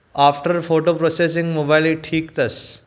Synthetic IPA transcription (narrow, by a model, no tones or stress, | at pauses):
afʈəɾfoʈopɾoses̬ĩŋɡmobailiʈʰiːkt̪ɐs